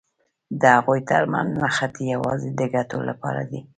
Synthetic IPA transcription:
d̪əhaɣojt̪aɾma̰nnaxat̪ejawɑzed̪əɡatolapɑɾa̰d̪i

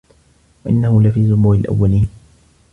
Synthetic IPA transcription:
waʔɪ̰nːahʊlafiːzʊmuːɾɪlʔa̰wːaliːn

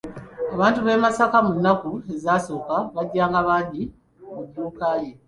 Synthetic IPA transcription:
aβaːntuβe̞ːmasakamunːakuezaːso̞ːkaβaɟːaːŋɡaβaɟi | muɡuːkaːje

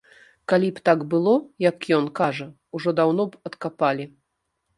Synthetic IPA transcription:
kalʲipt̪aɡbɨlˠɔjɐkjɔnkaʐɐ | uʐɔd̪awnɔpɐt̪kapalʲi

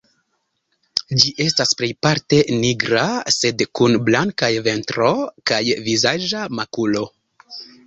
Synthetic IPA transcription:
d͡ʒiʔe̞stasple̞jpaɾte̞niɡɾase̞dkunblaŋkajve̞ntɾo̞kajvizad͡ʒamakulo̞

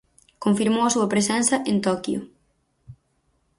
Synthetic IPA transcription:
koɱfiɾmowɐsuɐpɾes̬ɛnsɐʔent̪ɔkjʊ̰

